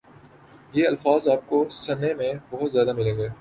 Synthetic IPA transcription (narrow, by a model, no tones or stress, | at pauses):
jeːɐlfaːzaːp̚kosɐnːemẽbɐɦʊt̪zjaːd̪amɪleɡɐeː